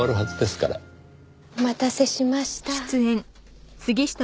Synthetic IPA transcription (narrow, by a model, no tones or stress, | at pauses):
aɾɯ̟ɦazɨd̪e̞sɨ̥kaɾa̰ | mat̪ase̞ɕimaɕi̥t̪at͡sɨẽn | sɨɡʲiɕi̥t̪a